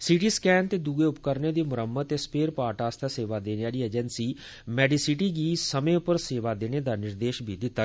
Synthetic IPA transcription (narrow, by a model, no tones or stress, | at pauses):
sɪʈiːskɛːnt̪eːd̪uːɡeʊpkəɾned̪iːmʊɾəmːət̪ːespeːɾpaːɾʈaːst̪ʰaseːʋaːd̪eːnejaːliːeːd͡ʒənsiː | mɛːɖiːsɪʈiːɡiːsəmẽʊpəɾseːʋaːd̪eːned̪aːnɪɾd̪eːʃbʱiːd̪ɪt̪ːaː